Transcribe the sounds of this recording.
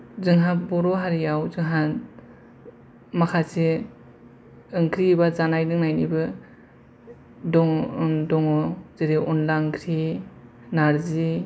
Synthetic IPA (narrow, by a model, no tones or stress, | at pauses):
zɯŋɦapbɔɾɔɦaɾiawzɯŋɦan | makʰasi | ɯŋkʰɾibazanajdɯŋnajnibɯ | dɔŋdɔŋɔzeɾiʔɔnlaŋkʰɾi | naɾzi